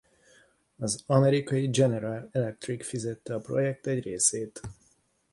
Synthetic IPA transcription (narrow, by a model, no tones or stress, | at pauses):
ɒzɒmɛɾikɒjid͡ʒɛnɛɾalɛlɛk̚t̪rikfizɛt̪ːɛɒpro̞̰jɛk̚t̪ɛɟreːseːt̪